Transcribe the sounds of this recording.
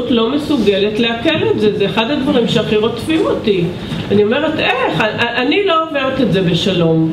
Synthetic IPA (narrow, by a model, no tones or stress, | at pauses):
utlo̞me̞suɡele̞tleakeletzezeːχadadvaʁimʃeaχiʁo̞t͡sfioti | anio̞me̞ʁeteχaʔaʔanilo̞omeʁete̞tzebe̞ʃalo̞m